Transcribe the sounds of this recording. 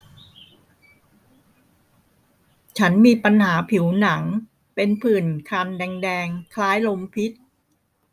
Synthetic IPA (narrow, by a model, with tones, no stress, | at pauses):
t͡ɕʰa˦˥nmiː˧pa˧nhaː˩˦pʰi˩˦wna˩˦ŋ | pe˧npʰɯː˨˩nkʰaː˧mdɛː˧ŋdɛː˧ŋkʰlaː˦˥jlo˧mpʰi˦˥t̪̚